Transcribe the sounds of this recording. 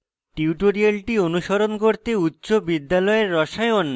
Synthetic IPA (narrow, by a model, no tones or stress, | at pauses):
ʈiuʈoɾialʈionuʃoɾonkoɾt̪eutːɕobid̪ːalɔeɾːɔʃajon